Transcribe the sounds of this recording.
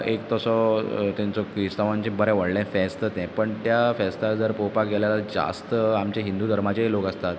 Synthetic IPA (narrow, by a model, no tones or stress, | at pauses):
ekt̪əsɔt̪ɛ̃nt͡sɔkɾist̪aʋãɲt͡ɕẽbəɾɛ̃ʋəɽlãfɛst̪ət̪ɛ̃pəɳt̪jafɛst̪ad͡zəɾpopakɡeljalad͡za̰st̪əamt͡ɕeɦind̪ud̪ʱəɾmat͡ɕeɦelokəst̪at̪